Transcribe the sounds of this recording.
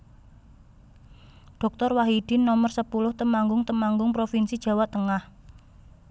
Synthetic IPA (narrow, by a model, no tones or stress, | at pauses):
ɖ̥ɔ̤k̚t̪ɔrwaɦid̥ɪ̤nɔmərsəpulʊht̪əmaŋɡʊŋt̪əmaŋɡʊŋpɾofinsid̥ʒ̥ä̤waʔ̚t̪əŋah